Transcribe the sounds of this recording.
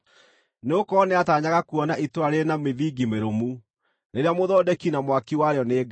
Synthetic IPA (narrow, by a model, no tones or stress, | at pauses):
neokɔneataɲaɣakuɔnaitwaɾenameðiɡimeɾomu | neɾeamoðɔːdɛkinamwakiwaɾeɔneːɡ